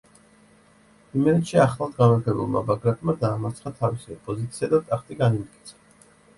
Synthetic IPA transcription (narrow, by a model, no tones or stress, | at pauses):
imɛɾɛt̪ʃiaχlˠad̪ɡamaɾt̪ʰɛbṵlˠma̰baɡɾat̪ʼmad̪aːmat̪sʰχat̪ʰavisiɔpʼɔzit̪sʰiad̪at̪ʼakʰt̪ʼiɡanimt̪̚ʼkʼi̥t̪sʰḁ